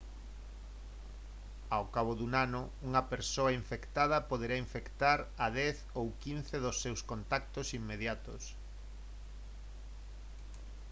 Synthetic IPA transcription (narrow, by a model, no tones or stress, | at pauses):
awkaβ̞oðuŋanʊ | uŋɐpeɾsoɐiɱfekt̪að̞ɐpoð̞eɾaiɱfekt̪aɾɐðɛθ | owkinθeðosːewskont̪ak̚t̪osimːeðjat̪o̰s